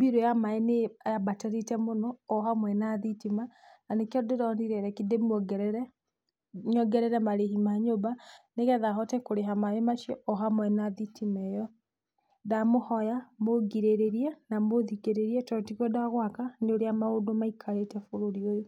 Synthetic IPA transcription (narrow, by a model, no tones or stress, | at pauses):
mbiɾojamaɛneajabatɛɾitɛmonɔːɦamwɛnaðitimananekɔdeɾɔndiɾɛɾɛkidemɡɛɾɛɾ | ɲɔɡɛɾɛɾɛmaɾehimaɲobaneɣɛðaɦɔtɛkoɾeɦamaemaʃiɔɔɦamwɛnaðitʰimɛjɔ | ðamohɔjamoɡiɾeɾeɾiɛnamoðikeɾeɾiɛtɔtiɣɔdaɣwakaneoɾeamaodomaikʰaɾetɛfoɾoɾiojo